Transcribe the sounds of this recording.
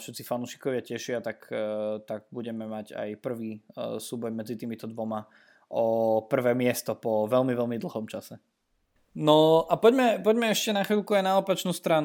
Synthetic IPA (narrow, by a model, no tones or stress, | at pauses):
fʃɛt̪t͡sifanuːʃi̥kɔʋɪacɛʃɪat̪akt̪aɡ̚buɟɛmɛmaɟa̰jpr̩ʋiːsuːbɔjmɛd͡zit̪iːmit̪ɔd̪ʋɔma | ɔpr̩ʋɛːmɪɛst̪ɔpɔʋɛlmiʋɛlmid̪l̩ɦɔmt͡ʃasɛ | nɔʔapɔɟmɛpɔɟmɛɛʃcɛnaxʋilkuajnaɔpat͡ʃnust̪ɾan